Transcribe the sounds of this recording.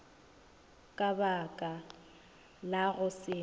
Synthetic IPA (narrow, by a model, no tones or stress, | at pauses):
kʼabakʼa | laɣʊsɪ